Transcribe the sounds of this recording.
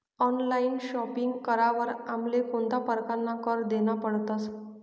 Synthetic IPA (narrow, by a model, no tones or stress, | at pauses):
ɔnlainɕɔpiŋɡkəɾaʋəɾam̤lekoɳt̪apəɾkanːakəɾd̪enapəɽt̪əs